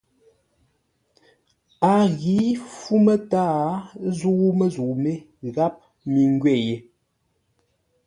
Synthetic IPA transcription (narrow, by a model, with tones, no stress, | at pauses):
a˨ɣi˨˦fu˦mə˦taː˦zu˦mə˦zu˨me˦ | ɣa˦p̚ | mi˨ŋ˦ɡɥɛ˦˨je˨